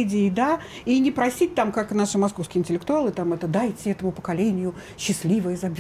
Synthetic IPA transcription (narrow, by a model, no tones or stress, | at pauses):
dʲɪːd̪a | inʲɪpɾɐsʲit̚ʲt̪amkaknaʂɨmɐskofskʲɪəɪnʲtʲɪlʲɪkt̪ʊalˠɨt̪amɛt̪əd̪ajtʲɪɛt̪əmʊpə̥kɐlʲenʲɪjʊ | ɕːɪslʲivəjəzɐbʲ